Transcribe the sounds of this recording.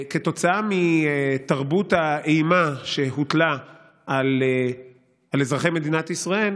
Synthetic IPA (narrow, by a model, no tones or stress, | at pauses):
keto̞t͡saamietaʁbutaeimaʃe̞ɦut̪la | al | alezʁaχe̞jme̞d̪inat̪isʁael